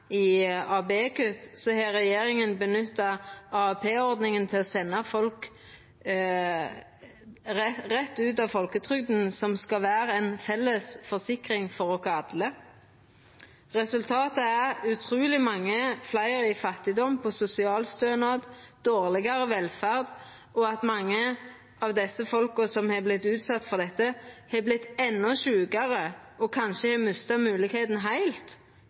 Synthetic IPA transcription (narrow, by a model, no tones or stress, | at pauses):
ɪɑːbeːkʉt̪sɔheːʁɛjeːɾɪŋənbənʏt̪ːɑɑpʰeːɔʁd̪nɪŋənt̪ʰɪlɔsɛnːɑfɔlk | ʁɛt̪ːʉːt̪ɑʋfɔlkət̪ʰʁʏɡ̚d̪n̩sɔmskɑʋæːɾəɛnfɛlːəsfɔsɪkʁɪŋfɔɾɔkʰɑːd̪lə | ʁɛsʉlt̪ʰɑːt̪əæʁʉt̪ʰʁuːlɪmɑŋːəflæɪʁɪfɑt̪ːɪd̪ɔmpʰɔsʊsɪɑːlst̪øːnɑd̪d̪̥oːʁlɪɡɑʁəʋɛlfæʁd̪ | ɔɑt̪mɑŋːə | ɑʋd̪ɛsːəfɔlkɔsɔmhɛblɪt̪ːʉːt̪sɑt̪ːfɔʁd̪ɛt̪ːəhɛblɪt̪ːɛnːɔʃʉːɡɑʁəɔkʰɑnʃəhɛmʉst̪ɑmʉːlɪkheːt̪n̩ɦæɪlt̪